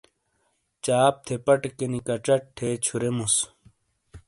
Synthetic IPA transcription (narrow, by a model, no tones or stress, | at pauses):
t͡ɕaːp̚t̪ʰepɐʈekenikɐʈ͡ʂɐʈʈʰːeːt͡ɕʰuɾemus